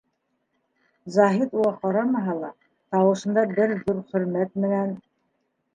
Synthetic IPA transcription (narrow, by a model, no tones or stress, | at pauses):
zɑɦit̪ulˠɑqɑɾɑmɑɦɑlˠɑ | t̪ɑwɤ̆ʃɤ̆nd̪ɑbɘɾðuɾχɵ̆ɾmæt̪̚mɘ̆næn